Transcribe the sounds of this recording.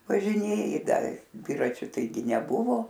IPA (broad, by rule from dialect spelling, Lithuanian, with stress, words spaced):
ʋɐʒʲɪˈnʲeːjɪ ˈdɐ ˈdʲʋʲɪrɐt͡ʃʲʊ tɐɪˈɡʲɪ nʲɛˈbʊʋoː